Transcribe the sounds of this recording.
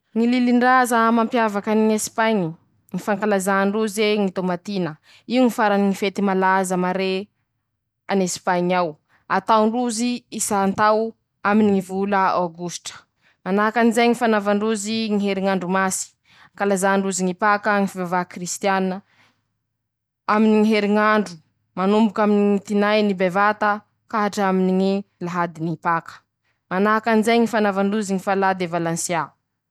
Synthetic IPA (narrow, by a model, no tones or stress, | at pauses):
ŋililiɳɖ͡ʐazəmampjavakaniŋespajɲi | ŋifaŋkalazaɳɖ͡ʐuzeŋit̪omat̪inə | iuŋifaɾaniŋifet̪imalazəmaɾe | anespaɲaw | at̪awɳɖ͡ʐuziisant̪aw | aminiŋivuləaɡusʈ͡ʂə̥ | manaakanizajŋifanavaɳɖ͡ʐuziŋiɦeɾiŋaɳɖ͡ʐumasi̥ | kalazaɳɖ͡ʐuziŋipakaŋifivavakrist̪jannə | aminiŋiɦeɾiŋaɳɖ͡ʐu | manumbukaminiŋit̪inajnibevat̪ə | kaɦaʈ͡ʂaminiŋilaɦad̪inipakə̥ | manakanizajŋifanavaɳɖ͡ʐuziŋifalad̪evalansja